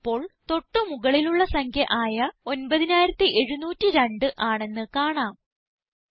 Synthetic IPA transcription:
pːo̞ːɭt̪o̞ʈːɨmuɣɐɭiluɭːɐsɐŋkʰjɐʔaːjɐo̞nbɐðinaːjiɾɐt̪ːiʔe̞ɻunuːtːiɾeɳɖɨʔaːɳe̞nːɨkaːɳaːm

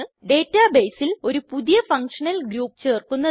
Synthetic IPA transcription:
ɨɖe̞ːtːaːbejsilo̞ɾupuðijɐfɐŋkʂɐnɐlɡɾuːpːt͡ɕe̞ːrkːunːɐ

